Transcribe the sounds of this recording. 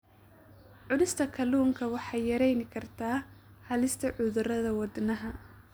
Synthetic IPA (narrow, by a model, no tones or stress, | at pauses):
ʕʊlɪst̪ʰɐkʰɐluːŋkʰɐwɑħɑjjɐɾɛjnɪkʰɐrt̪ʰaː | hɐlɪst̪ʰɐʕʊðʊrɐðɐwɑd̪nɐɦɐ